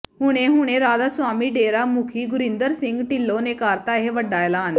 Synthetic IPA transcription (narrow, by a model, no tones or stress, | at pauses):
ɦʊɽ̃ẽɦʊɽ̃ẽɾaːd̪asʋaːmiɖeːɾamukʰiɡʊɾĩnd̪əɾsɪ̃ŋɡʈɪlːonekaːɾt̪aɦeʋɐɖaːjlaən